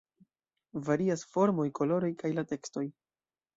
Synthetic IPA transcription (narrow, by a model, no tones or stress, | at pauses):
vaɾiasfo̞ɾmo̞jkʰo̞lo̞ɾojkajlate̞ksto̞j